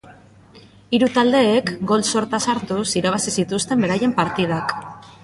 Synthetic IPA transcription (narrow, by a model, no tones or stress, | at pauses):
iɾut̪ald̪e̞ːkɡo̞lso̞ɾt̪asaɾt̪usiɾaβ̞asisit̪ust̪e̞mbe̞ɾaje̞mpaɾt̪ið̞ak